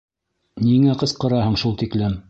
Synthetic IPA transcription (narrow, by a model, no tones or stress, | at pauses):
niŋæqɤ̆sqɤ̆ɾɑɦɤɴʃulˠt̪iklɘm